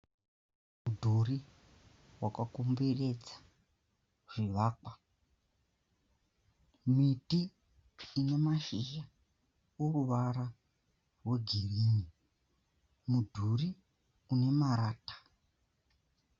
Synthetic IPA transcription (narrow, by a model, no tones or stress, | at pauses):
mudʱuri | wakakumbere̞d͡zḁ | ʐ̥iʋaːkwa | mitiː | ne̞maʃiʒa | uruʋaɾa | rwe̞ɡʱiriːni | mudʱuri | une̞maɾaːtḁ